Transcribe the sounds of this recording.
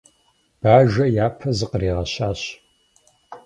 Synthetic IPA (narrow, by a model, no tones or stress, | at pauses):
b̥aːʒɐjaːpʰɐzɨqriːʁɐɕaːɕ